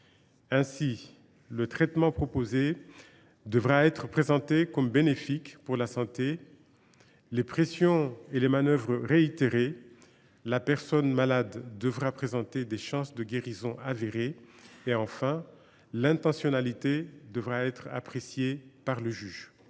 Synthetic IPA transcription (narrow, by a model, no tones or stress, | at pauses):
ɛ̃si | lət̪χɛt̪mɑ̃pχɔpoze | d̪əvʁaɛt̪χəpχezɑ̃t̪ekɔmbenefikpuʁlasɑ̃t̪e | lepχesjɔ̃elemanœvʁəʁeit̪eʁe | lapɛʁsɔnmalad̪ːəvʁapχezɑ̃t̪ed̪eʃɑ̃sd̪əɡʲeʁizɔ̃ʔaveʁeːɑ̃fɛ̃ | lɛ̃t̪ɑ̃sjɔnalit̪ed̪əvʁaɛt̪χa̰pχesjepaʁləʒyːʒ